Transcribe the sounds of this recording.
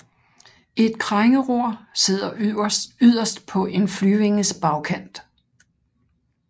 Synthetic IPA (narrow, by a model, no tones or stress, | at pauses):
e̝d̥̚kʰʁaŋəʁo̝ɐ̰se̝ð̞̰ˠɐyɐsyð̰ˠɐsd̥pʰɒ̽ʔe̝nflyːʋe̝ŋəsb̥ɑ̈ʊkʰæn̰d̥